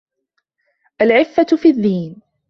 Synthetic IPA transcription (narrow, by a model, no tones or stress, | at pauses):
ʔalʕɪfːafiːðːiːn